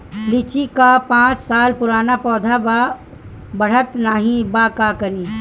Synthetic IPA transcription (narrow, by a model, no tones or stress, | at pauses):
lɪt͡ʃikapãːt͡ʃsaːlpʊɾaːnapɔːd̪ʱaba | bɐɽ̤ət̪naːɦĩbakakɐɾiː